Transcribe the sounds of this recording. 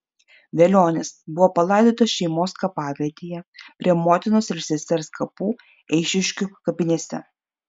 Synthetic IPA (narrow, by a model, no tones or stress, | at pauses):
ʋʲeːlʲoːnʲesbʊʋoːpɐlˠɐˑɪd̪ʲoːt̪ɐsʃʲɛɪmoːskɐpɑːʋʲiɛt̪ʲijɛpʲɾʲiɛmoːt̪ʲɪnoːsɪɾsʲɛsʲt̪ʲɛɾskʰɐpuː | ɛɪʃʲɪʃʲkʲukɐpʲɪnʲeːsʲɛ̰